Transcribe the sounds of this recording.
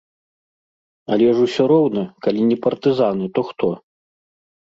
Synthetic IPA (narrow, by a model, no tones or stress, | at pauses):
alʲɛʐusʲɔɾɔwnɐkalʲinʲɛpɐrt̪ɨzanɨt̪ɔxt̪ɔ